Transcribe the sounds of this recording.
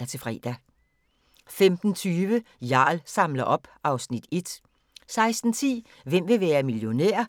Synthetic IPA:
ɐt͡sʰe̝lfʁɛ̰ːd̥æ | femd̥n̩t͡sʰyːʋəjɑ̈ːlsɑ̈mlɐʔɒ̽b̥ʔɑ̈ʊsnid̥e̝d̥ | sɑ̈ɪsd̥n̩t͡sʰḭː | ʋem̰ʋe̝ʋæːɐmiljo̝næ̰ɐ̰

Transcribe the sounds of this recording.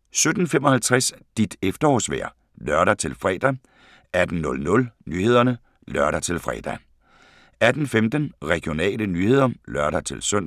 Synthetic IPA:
sød̥n̩femɒ̽hælt͡sʰʁasd̥id̥efd̥ɐɒ̰ːsʋæɐ̰ | lɶɐɾæt͡sʰe̝lfʁɛ̰ːd̥æ | æd̥n̩nɔ̽lnɔ̽lnyːhe̝ð̞̰ˠɐnə | lɶɐɾɐt͡sʰe̝lfʁɛ̰ːd̥æ | æd̥n̩femd̥ənʁɛɡ̥io̝nɛ̰ːlənyːhe̝ð̞̰ˠɐlœɶɐɾ̥æt͡sʰe̝lsøn̰

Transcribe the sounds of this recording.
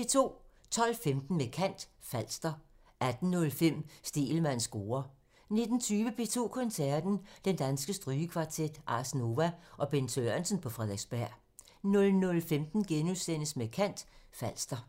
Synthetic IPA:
e̝t͡sʰo̝̰ː | t͡sʰɒ̽l̰femd̥n̩mekʰæn̰d̥fæl̰sd̥ɐ | æd̥n̩ːɔ̽lfem̰sd̥e̝̰ːlmæn̰sɡ̥o̝ːɐ | ne̝d̥n̩t͡sʰyːʋəpʰe̝t͡sʰo̝̰ːkʰɒ̽nsæɐd̥n̩d̥end̥ænsɡ̥əsd̥ʁyːəkʰʋɑ̈t͡sʰed̥ʔɑ̈sno̝ʋæʔɒ̽b̥e̝nt͡sʰøɐnsən̩pʰɒ̽fʁɛðˠeɡ̥sb̥æɐ̰ | nɔ̽lnɔ̽lfemd̥n̩ɡ̥enusenəsmekʰæn̰d̥fæl̰sd̥ɐ

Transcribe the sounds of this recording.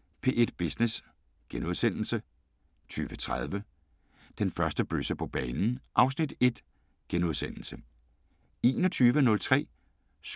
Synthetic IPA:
pʰe̝ːʔed̥b̥isnes | ɡ̥enuðˠsen̰l̩sə | t͡sʰyːʋət͡sʰʁað̞ˠʋə | d̥enfɶɐsd̥əb̥øsəpʰɒ̽b̥ɛːnn̩ʔɑ̈ʊsnid̥e̝d̥ | ɡ̥enuð̞ˠsen̰l̩sə | e̝ːnɒt͡sʰyːʋənɔ̽lt͡sʰʁɛ̰ː | s

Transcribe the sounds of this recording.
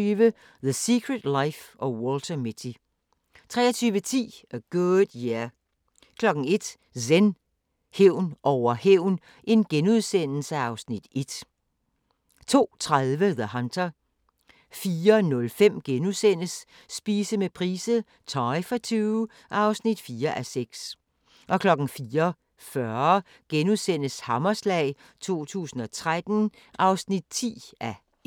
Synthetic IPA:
yːʋə | ðəsikʰʁəd̥lɑɪfɒ̽wɔlt͡sʰɐmit͡sʰi | t͡sʰʁɛ̰ːɐt͡sʰyːʋət͡sʰḭːəɡ̥od̥jæ | kʰlɒ̽ɡ̥n̩e̝d̥ | sen | heʊ̰nʔɒʊɐheʊ̰n | ʔe̝nɡ̥enuð̞ˠsen̰l̩səɑ̈ʊsnid̥e̝d̥ | t͡sʰo̝̰ːt͡sʰʁaðˠʋəðəhɑndʰɐ | fiːɐnɔ̽lfem̰ɡ̥enuðˠsen̰əsː | b̥iːsəmepʰʁiːsə | t͡sʰɒɪfɒt͡sʰyʊ | ʔɑ̈ʊsnid̥fiːɐʔæseɡ̥s | ʔɒ̽kʰlɒ̽ɡ̥n̩fiːɐ | fɶɐ | ɡ̥enuðˠsen̰əshɑ̈mɐslɛ̰ːɪ | t͡sʰo̝̰ːt͡sʰṵːsn̩ɒ̽t͡sʰʁad̥n̩ | ʔɑ̈ʊsnid̥̚t͡sʰḭːʔæ

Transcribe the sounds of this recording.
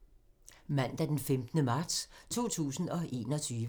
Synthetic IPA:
mæn̰d̥æɐd̥enfemd̥nəmɑ̈ːd̥st͡sʰo̝̰ːt͡sʰṵːsn̩ɒ̽ʔe̝̰ːnɒ̽t͡sʰyːʋə

